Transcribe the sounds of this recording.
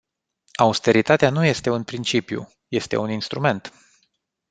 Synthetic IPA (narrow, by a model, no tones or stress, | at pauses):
aust̪e̞ɾit̪at̪eanuje̞st̪e̞unpɾint͡ʃipjṵ | je̞st̪e̞̰uninst̪ɾume̞nt̪